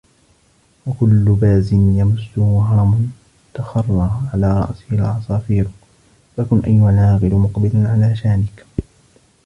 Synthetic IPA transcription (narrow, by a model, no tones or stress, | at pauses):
wakʊlːʊbaːzɪnjamʊsːʊhɦɑɾˤɑmʊ | t̪axɑrˤːɑːʕalaːɾˤɑ̰ʔsɪhɪlʕɑsˤɑːfiːɾ | fakʊnʔajːʊhalʕaːɣɪlmʊqbɪlanʕalaːʃaːnɪk